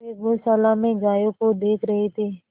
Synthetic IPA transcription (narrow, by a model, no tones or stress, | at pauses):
eːʋoːsaːlãːmẽɡaːjokod̪eːkʰɾəɦet̪ʰeː